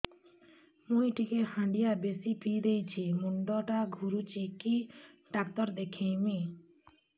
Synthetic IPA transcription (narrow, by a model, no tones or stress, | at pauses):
mũjʈikehãɳɖijabesipʰid̪ejt͡ɕʰimuɳɖɔʈaɡʱuɾut͡ɕikiɖak̚t̪ɔɾd̪ekʰejmi